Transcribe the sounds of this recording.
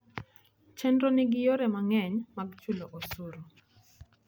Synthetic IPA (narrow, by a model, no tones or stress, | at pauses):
t͡ʃɛndonɪɡɪjoɾɛmaŋɛɲmaɡt͡ʃuloʔosuɾo